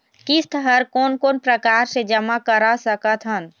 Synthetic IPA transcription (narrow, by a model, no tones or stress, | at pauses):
kɪst̪əɦəɾkoːnkoːnpɾəkaːɾsed͡ʒəmakəɾasəkət̪ʰɦən